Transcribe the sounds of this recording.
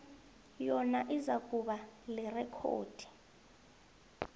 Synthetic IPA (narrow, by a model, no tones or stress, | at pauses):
jɔnaʔizakʼuɓalɛrɛkʰo̰ːd̥ʱi̥